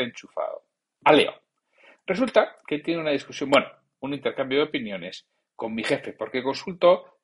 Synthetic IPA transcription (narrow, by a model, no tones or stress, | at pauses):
ent͡ʃufa̰ðo̰ | alḛo̰ | result̪aket̪je̞neunað̞iskusjõ̞mbweno | unint̪eɾkambjoðeo̞pinjo̞ne̞s | ko̞mːixe̞fe̞po̞ɾke̞ko̞nsult̪o̞